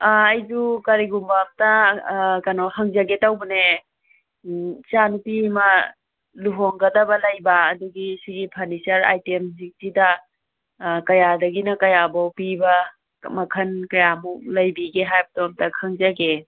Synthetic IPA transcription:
ɐjd͡ʒukɐɾiɡumbamtɐkɐnohɐŋzɐɡetawbɐne | t͡ʃanupima | luɦoŋɡɐdɐbɐlɐjbaːduɡisiɡipʰanisɐɾa̰jtemzik̚tidɐ | kɐjadɐɡinɐkɐjabawpibɐ | mɐkʰɐnkɐjamulɐjbiɡeɦajbɐtɔmtɐkʰaŋzaɡe

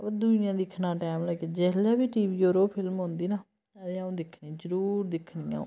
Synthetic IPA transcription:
d̪ujãːd̪ɪkʰnaːʈɛːmlɛked͡ʒɛːlaːbiːʈiːʋiːoːɾoːpʰɪlmɦõnd̪iːnaː | ət̪eːaũːd̪ɪkʰnĩːzəɾuːɾd̪ɪkʰnijã̰ː

